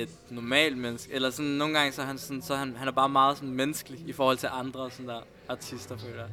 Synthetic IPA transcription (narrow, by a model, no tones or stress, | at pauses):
e̝d̥nɒmɛ̰ːld̥menəsɡ̥elɐsɔnːo̝ːn̩ɡ̥ɑ̈ŋsɒhænsɒ̽nsɒ̽hænhænæɐb̥ɑ̈ːmɑ̈ːð̞̩ˠsɒ̽nmenəsɡ̥liifɒːhɒ̽l̰t͡sʰe̝lʔɑ̈nd̥ʁɐsɒ̽nd̥æɐ̰ | ɑ̈t͡sʰisd̥ɐfø̰ːlɐ